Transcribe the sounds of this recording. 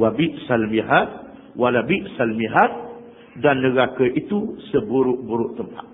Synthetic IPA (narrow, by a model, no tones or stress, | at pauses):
wabiʔsalmiɦat̪̚ | walabiʔsalmiɦat̪̚ | danːəɾakəʔit̪usəbuɾʊʔbuɾʊʔt̪əmpa̰t̪̚